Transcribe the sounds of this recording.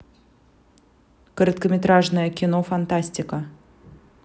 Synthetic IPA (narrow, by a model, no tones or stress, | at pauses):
kəɾət̪kəmʲɪt̪ɾaʐnəjəkʲɪnofant̪asʲtʲɪkə